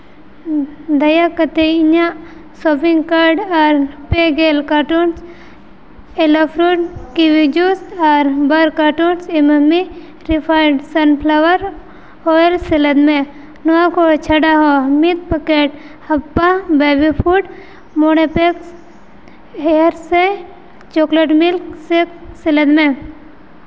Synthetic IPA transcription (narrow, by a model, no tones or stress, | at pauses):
d̪ɐjakət̪eiɲa | soːpiŋɡkaɾɖaɾpeɡelkaʈuns | elopʰɾuʈ̚kiʋid͡ʒusaɾbɐɾkaʈunsiməmi | ɾipʰajɖsɐnpʰlaʋəɾ | oːelseləd̪mẽ | nuãkot͡ʃʰɐɽaɦomit̪̚pəkeʈ | hɐpːabeːbipʰuʈ | monepeks | ɦeɾse | t͡ʃokleʈmilksekseləd̪mẽ